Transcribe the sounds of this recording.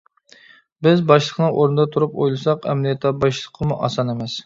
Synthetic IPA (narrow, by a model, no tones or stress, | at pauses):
bɪzbɑʃlˠəqnɨŋʔoɾnɨd̪ɑt̪ʰuɾupojlˠɨsɑqɛ̰mlijɛt̪ʰlˠɑbɑʃlˠəqʰːəmuʔɑ̰sɑnemɛs